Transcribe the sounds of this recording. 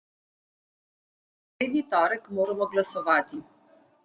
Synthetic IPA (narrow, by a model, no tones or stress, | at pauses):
eːd̪nit̪ɔːɾəkmoːɾɛmɔɡlasɔʋaːt̪i